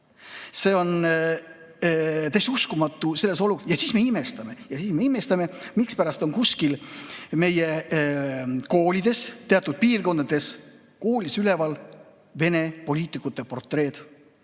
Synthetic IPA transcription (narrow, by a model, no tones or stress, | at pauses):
se̞ːo̞n | t̪æst̪uskumɑt̪ːˑuse̞lːe̞so̞lujɑsiːsme̞ime̞st̪ɑme̞jɑsiːsmeime̞st̪ɑme̞mikspæɾɑst̪o̞ŋkuskilme̞je̞ | ko̞ːlʲid̪̥e̞st̪e̞ɑt̪ːˑud̪̥̚piːrko̞nd̪̥ɑd̪e̞s | ko̞ːlʲisyle̞vɑl | ve̞ne̞po̞lʲiːt̪ˑikut̪ːˑe̞po̞rt̪ˑre̞ːd̪̥